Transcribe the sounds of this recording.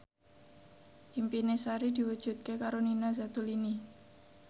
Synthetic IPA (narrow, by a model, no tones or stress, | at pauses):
ʔimpinesaɾid̪i̤wu̥ʒ̥ṳt̪̚kekaɾoninazat̪ulini